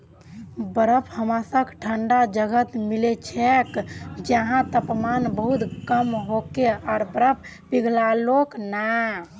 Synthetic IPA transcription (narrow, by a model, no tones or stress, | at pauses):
bəɾəpʰhəmasəkʈʰəɳɖad͡ʒəɡət̪milet͡ʃʰɛkd͡ʒəɦãt̪əpmanbəɦut̪kəmɦokeaːɾbəɾəp̚ʰ | piɡʱlalokna